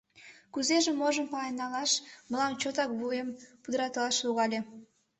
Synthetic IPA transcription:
kuzeʒĕmoʒəmpɑenːɑlɑʃməlɑmt͡ɕot̪ɑk̚βuempud̪əɾɑt̪lɑʃluɣɑlʲe

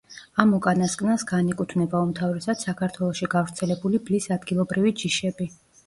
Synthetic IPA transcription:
amɔkʼanaskʼnasɡanikʼut̪ʰvnɛbaumt̪ʰavɾɛsad̪̥sakʰaɾt̪ʰwɛlˠɔʃiɡavɾt̪sʰɛlɛbuliblisad̪ɡilˠɔbɾivid͡ʒiʃɛbi

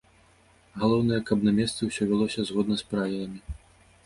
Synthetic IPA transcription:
ɣalˠɔwnɐjɛkɐbnɐmʲɛst̪sɨwsʲɔvʲɛlˠɔsʲɐzɣɔd̪nɐspɾajɐjɐmʲi

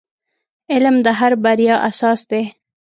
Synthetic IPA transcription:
ɪlmd̪əɦaɾbaɾjɑʔasɑsd̪e

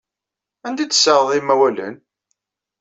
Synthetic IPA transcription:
ænd̪id̪sːəɾðˤimæwælə̰n

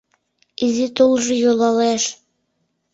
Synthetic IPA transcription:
izit̪olˠʒɤ̆jolɑleʃ

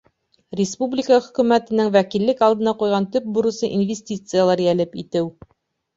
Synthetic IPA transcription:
ɾʲɪspublʲɪkəχɵ̆kʉ̆mæt̪ɘ̆nɘŋwækilːɘkɑlˠd̪ɤ̆nɑqujʁɑnt̪ɵp̚buɾɤ̆sɤʔinvʲesʲtʲit̪sɨjalˠɑɾjælɘpit̪ɘw

